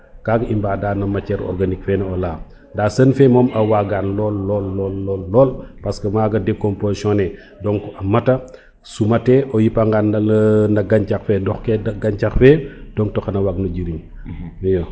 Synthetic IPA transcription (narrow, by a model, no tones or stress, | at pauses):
kaɡimbaːdaːnɐmɐcɛɾɔ̰ɾɡanikfɛnɛɔla | ndaːsənfɛmɔːmɐwaɡanlɔlːɔlːɔːlːɔːlːɔːlpɐskɐmaːɡɐdekɔmpozisɔ̃nɛ | dɔŋkuɐmɐtɐ | sumɐtɛʔɔjipɐŋɡanɐnɐɡaɲcakfɛdɔxkɛdɐɡaɲt͡ʃaxfɛd̥ɔŋ̚tɔxɐnɐwaɡnuɟiɾiɲ | jɔ